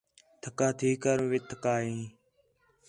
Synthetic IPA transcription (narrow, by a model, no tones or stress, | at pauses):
t̪ʰəkaːt̪ʰiːkaːɾũʋɪt̪ʰːəkaːɦĩː